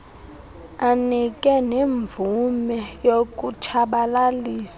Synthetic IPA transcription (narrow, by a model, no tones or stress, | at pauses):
anikʼɛneɱvumɛjokʼut͡ʃʰaɓalaliːsḁ